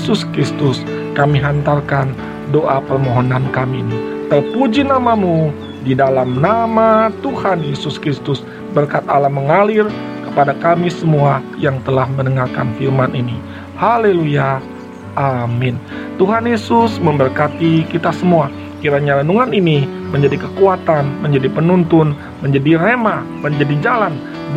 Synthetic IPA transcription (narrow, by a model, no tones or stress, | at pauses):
sʊskɾist̪ʊskamiɦant̪arkan | doʔapərmoɦonankaminit̪ərpud͡ʒinamamu | didalamnamat̪uhanjesʊskɾist̪ʊs | bərkat̪̚alaməŋalirkəpadakamisəmuajaŋt̪əlahmənəŋarkanfirmanʔini | haleluja | ʔamɪnt̪uɦanjesʊsməmbərkat̪ikit̪asəmua | kiɾaɲalənuŋaniniməɲd͡ʒadikəkuat̪anməɲd͡ʒadipənunt̪ʊn | məɲd͡ʒadirema | məɲd͡ʒadid͡ʒalan